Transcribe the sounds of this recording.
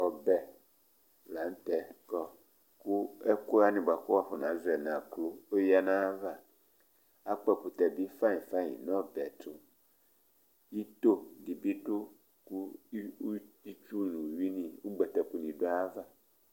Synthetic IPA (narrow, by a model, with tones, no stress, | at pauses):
ɔ˨bɛ˨ | la˨˦n̩˦t̪ɛ˨kɔ˦ | ku˦e˦ko˦a˦nĩ˨ba˨ko˦wa˦ɸo˨nã˨˦zɛ˨nã˨klo˦o˦ja˦nã˦a˦va˦ | a˦k͡pɛ˦˨pu˨t̪ɛ˨bi˦fa˦ɲĩ˨fa˦ɲḭ̃˨nɔ̃˦bɛ˨tʊ˨ | ji˦t̪o˦ɖi˨bi˦ɖo˦ | ku˦ | i˦t͡ʃu˦˨nũ˨wi˦nĩ˦˨wo˦ɡ͡bɛ˨t̪ɛ˨pu˨nĩ˨ɖo˦a˦a˦va˦